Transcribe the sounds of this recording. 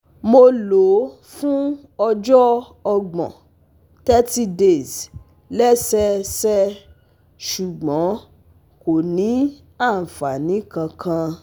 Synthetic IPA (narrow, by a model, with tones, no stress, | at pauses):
mo˧lo˨˦ | fũ˦ | ɔ˧d͡ʒɔ˦ | ɔ˧ɡ͡bɔ̰̃˨ | tɛ˦ti˦de˦˨z | lɛ˦sɛ˦sɛ˦ | ʃu˨ɡ͡bɔ̃˨˦ | ko˨nĩ˨˦ | a˦˨n̩˨fa˨nĩ˨˦kã˧kʰã˧